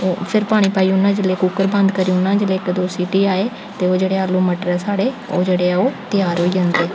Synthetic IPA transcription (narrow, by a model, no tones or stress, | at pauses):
opʰɪɾpaːɽ̃iːpaːiːʊnːãːd͡ʒɪleːkukəɾbə̃nd̪kəɾiːʊnːãːd͡ʒɪleːkd̪oːsiːʈiːaːeː | t̪eːoːd͡ʒeːɽeːaːlũːməʈɾɛːsaːɽeːoːd͡ʒeːɽeːɛːoːt̪ɪjaːɾɦoːiːd͡ʒãːnd̪eː